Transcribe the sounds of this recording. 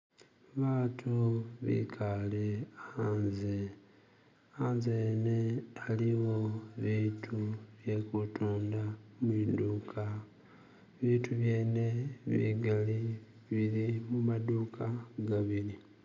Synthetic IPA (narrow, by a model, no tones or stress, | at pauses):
βaːtʰuβḭkʰaleanze | aːnzene̞aliwo̞βiːtʰuβje̞kutuːndamwiːduːkʰa | βiːtuβje̞ːne̞βḭɡali | βilimumaduːkʰaɡaβili